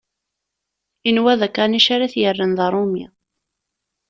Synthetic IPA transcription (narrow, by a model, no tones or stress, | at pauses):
inwæðækaniʃaɾaθjərːənðɑɾˤumja̰